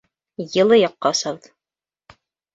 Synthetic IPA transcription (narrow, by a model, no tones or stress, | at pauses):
jɤ̆lˠɤjɑqːɑosɑβɤð